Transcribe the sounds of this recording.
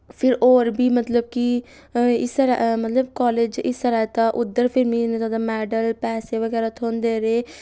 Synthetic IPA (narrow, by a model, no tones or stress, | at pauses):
pʰɪɾoːɾbiːmət̪ləb̚ki | ɪ̰st̪əɾamət̪ləbkɔːleːd͡ʒɪst̪əɾaːet̪ãːʔʊd̪ːəɾpʰɪɾmiːnet̪oːd̪aːmɛːɖəlpɛːseːʋəɡɛːɾaːt̪ʰõːnd̪eːɾeː